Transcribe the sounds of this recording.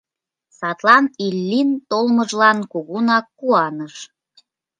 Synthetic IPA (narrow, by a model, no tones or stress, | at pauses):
sɑt̪lɑnilːint̪olməʒlɑnkuɣunɑkːuɑnəʃ